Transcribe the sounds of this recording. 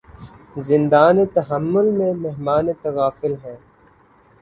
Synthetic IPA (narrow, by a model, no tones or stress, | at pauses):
zɪ̃nd̪aːnet̪ɐɦəmːʊlmẽmeɦmaːnet̪ɐɣaːfɪlɦɛ̃ː